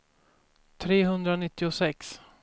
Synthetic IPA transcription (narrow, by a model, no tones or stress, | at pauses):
t̪ʰɾeːɦɵnd̪ɾanɪt̪ːɪʊsɛks